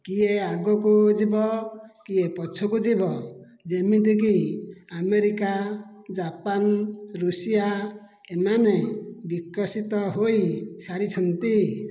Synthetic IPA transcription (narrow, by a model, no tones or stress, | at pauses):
kijeaɡɔkud͡ʒibɔkiepɔt͡ʃʰɔkud͡ʒibɔ | d͡ʒemit̪ik̬iameɾikad͡ʒapanɾusija | emanebikɔsit̪ɔɦojsaɾit͡ʃʰɔnt̪i